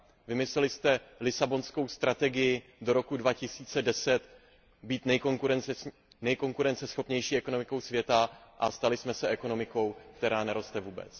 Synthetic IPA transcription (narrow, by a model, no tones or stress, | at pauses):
vɪmɪslɛlɪst̪ɛlɪsabo̞nsko̞wst̪ɾat̪ɛɡɪjɪdo̞ɾo̞kudvacɪsiːt͡sɛdɛsɛt̪ | biːt̪nɛjkoŋuɾɛn | nɛjko̞ŋkuɾɛnt͡sɛsxo̞pɲɛjʃiːɛko̞no̞mɪko̞wsvjɛt̪aʔast̪alɪsmɛsɛʔɛko̞no̞mɪko̞wk̚t̪ɛɾaːnɛɾo̞st̪ɛvuːbɛ̰t͡s